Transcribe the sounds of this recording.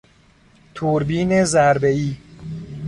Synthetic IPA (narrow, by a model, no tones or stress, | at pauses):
t̪ʰuɾbiːnezæɾbeiː